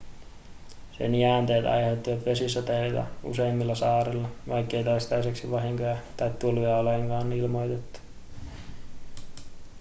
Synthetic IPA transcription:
sḛniæːnt̪eːt̪ɑ̰jhet̪ːiʋæt̪ʋe̞sisːot̪elt̪ɑ̰ṵseimːilːɑsɑːɾilːɑʋɑjkːe̞ijt̪oist̪ɑjseksiʋɑɦiŋkojɑt̪ɑjt̪t̪ːulujɑoleŋkɑːnilmo̞jt̪et̪ːu̥

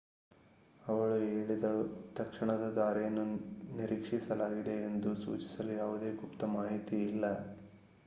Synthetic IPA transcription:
ɐʋɐɭueːɭid̪ɐɭut̪ɐkʂiɳɐd̪ɐd̪aːɾɐjɐnːuniɾikʂisɐlaːɡid̪e̞end̪usṵːt͡ʃi̥sɐlujaːʋud̪e̞ːɡupt̪ɐmaːɦit̪iilːɐ

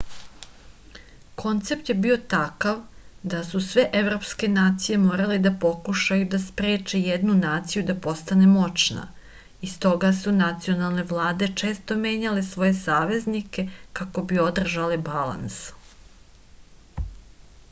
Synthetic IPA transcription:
kʰo̞nt̪se̞p̚t̪je̞biot̪akaʋd̪asusʋe̞ʔe̞vɾo̞pske̞naːt̪sije̞mo̞ːɾaled̪apo̞kuʃajud̪aspɾe̞ːt͡ʃe̞jed̪nunaːt̪sijud̪apo̞st̪ane̞mo̞t͡ʃna̰ | ist̪o̞ɡasunat̪sio̞nalˠne̞ʋlˠaːd̪e̞t͡ʃe̞ːst̪o̞me̞ːɲale̞sʋo̞je̞saːʋe̞znike̞kako̞bio̞d̪r̩ʒalebala̰ns

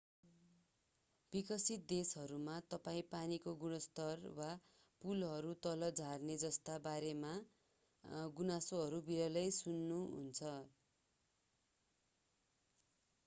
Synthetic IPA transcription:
b̥ikʌsit̪̚d̪esʌɾumat̪ʌpaĩpanikoɡunʌst̪ʌrwa | pulɦʌɾut̪ʌlʌd͡zʱarned͡zʌst̪abaɾema | ɡunasoɦʌɾubiɾʌlʌjsunːuɦṵnt͡sʰʌ

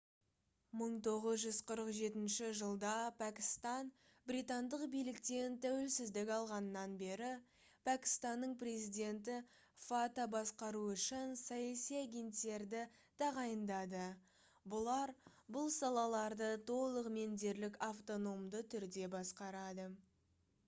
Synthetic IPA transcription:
məɴt̪ʰo̞ʁəzʒʏzqʰəɾəqʒe̞t̪ɪnʃɪʒəlˠd̪ɑpʰækʲɪst̪ɑn | bɾit̪ɑnd̪əqbijlɪkt̪e̞nt̪ʰæwelsɪzd̪ɪkʲɑlˠʁɑnəːɑnbe̞ɾɪ | pʰækʲɪ̥st̪ɑnːəɴpre̞zijd̪ʲe̞nt̪ɪ | fat̪abɑsqɑɾuʏʃɪnsɑjɑsijaɡʲe̞nt̪ːe̞ɾd̪ɪ | t̪ʰɑʁɑjənd̪ɑd̪ə | bʊlˠɑɾbʊlˠsɑlˠɑlˠɑɾd̪ət̪ʰo̞lˠəqme̞nd̪e̞ɾlɪkʲaft̪o̞no̞md̪ət̪ʰʏɾd̪e̞bɑsqɑɾɑd̪ə

